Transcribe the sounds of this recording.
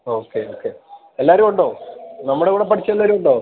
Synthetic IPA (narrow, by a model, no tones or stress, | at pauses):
oːkːeoːkːe | elːaːɾumuɳɖo̞ːnɐmːuɽekuːɽe̞pɐʈʰit͡ɕːɐelːaːɾumuɳɖoː